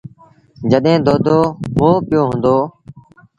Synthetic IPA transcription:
d͡ʒəɗẽːd̪oːd̪ʱoːɦõːpɪjoːɦʊ̃ːnd̪oː

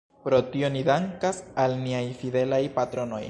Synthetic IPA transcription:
pɾo̞tio̞nidaŋkasalniajfide̞lajpatɾo̞no̞̰j

